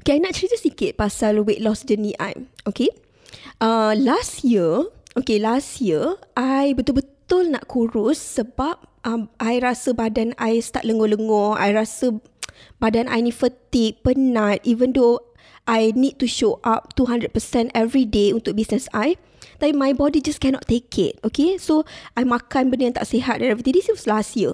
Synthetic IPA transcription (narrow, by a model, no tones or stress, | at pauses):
okeajnãʔt͡ʃɾit̪əsikɪt̪̚pasalweʔ̚lɔsd͡ʒənĩʔa̰joke | ʔəlastjəʔokelasjəʔajbət̪ʊlbət̪ʊlna̰ʔkʰuɾʊsːəbap̚ʔə̃mʔajɾasəbadanajst̪a̰ʔ̪̚ləŋɔləŋɔa̰jɹasə | badanʔa̰jnĩfət̪ik̚pənãt̪̚ʔivə̃ndo | ʔajnid̚tuʃoʔap̚tuɦãndɾəd̚pəsɛ̃ntɛvɹideunt̪ʊk̚bisnəsaj | t̪apimajbɔdid͡ʒaskɛnɔ̰tt̪ːekʰɪ̰t̚okesoʔajmakanbənəjãnt̪a̰ʔseɦat̪̚dɛɛvɹit̪ĩŋdisjəwɔslasjiə